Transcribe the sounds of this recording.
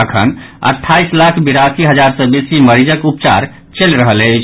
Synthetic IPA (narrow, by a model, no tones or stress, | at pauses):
əkʰə̰nə̰ʈʰːaislakʰbiɾasiɦəd͡ʒaɾsəbesiməɾid͡ʒəkupt͡ʃa̰ɾ | t͡ʃelɾəɦəlet͡ʃʰ